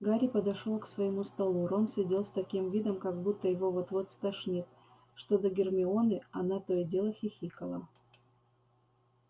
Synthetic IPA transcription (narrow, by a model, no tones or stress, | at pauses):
ɡaɾʲɪpəd̪ɐʂolˠksvɐjɪmust̪ɐlˠuɾo̞nsʲɪdʲe̞lˠst̪ɐkʲimvʲid̪əmkɐɡ̚but̪ːəjɪvo̞vot̪vot̪st̪ɐʂnʲit̪ | ʂt̪o̞d̪əɡʲɪrmʲɪo̞nɨɐnat̪ojɪdʲe̞lˠəxʲɪxʲikəlˠə